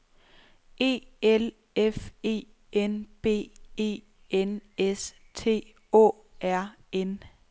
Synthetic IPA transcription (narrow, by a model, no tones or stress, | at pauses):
e̝̰ːel | efe̝̰ː | enb̥e̝̰ːe̝̰ː | enes | t͡sʰe̝̰ː | ɔ̰ː | ʔæɐ̰ | en